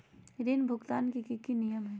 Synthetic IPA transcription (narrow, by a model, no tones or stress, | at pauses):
ɾinbʱʊɡt̪aːnkikikinijəmɦɛ